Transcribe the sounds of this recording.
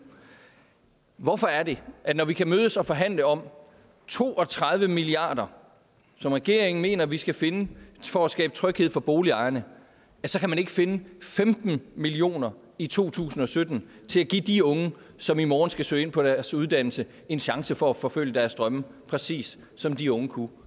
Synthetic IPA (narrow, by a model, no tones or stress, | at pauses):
ʋɒfɒ̽æɐɾe̝ʔænɒʋikʰæmøːð̞ˠəsɒ̽fɒ̽ɦæn̰ləɒ̽m̰ | t͡sʰo̝̰ːʔɒ̽t͡sʰʁað̞ˠʋəmiliɑ̰̈ːd̥ɐ | sɒ̽mʁɛɡ̥e̝̰ɐ̰e̝ŋn̩me̝̰ːnɐʋisɡ̥æfe̝nəfɒæsɡ̥ɛ̰ːb̥ət͡sʰʁœɡ̥heð̰ˠfɒ̽b̥o̝ːliɑ̈ɪɐnə | æsɒ̽kʰæmæne̝ɡ̥əfe̝nəfemd̥n̩milio̝̰ːnɐ | it͡sʰo̝̰ːt͡sʰṵːsn̩ɒ̽sød̥n̩ | t͡sʰe̝læɡ̥id̥iɔ̽ŋə | sɒ̽mimɒːn̩sɡ̥æsø̰ːe̝n̰pʰɒ̽d̥æɐsuð̞ˠd̥æn̰l̩sə | e̝nɕɑ̈ŋsəfɒ̽æfɒ̽føl̰jəd̥æɐsd̥ʁɶmə | pʰʁɛsḭːsː | ɒ̽md̥iɔ̽ŋəkʰu